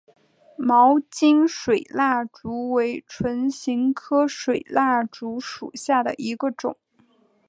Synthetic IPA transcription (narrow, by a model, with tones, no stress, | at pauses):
mɑ˧˥ʊt͡ɕi˥ŋʂwe˨˩ɪla˥˩ʈ͡ʂu˧˥we˧˥ɪʈ͡ʂʰwə˧˥nɕi˧˥ŋkʰɤ˥ʂwe˨˩ɪla˥˩ʈ͡ʂu˧˥ʂu˨˩ɕja˥˩d̪ə̰˩ʔi˧˥ɡə˧ʈ͡ʂʊ̰˨˩˦ŋ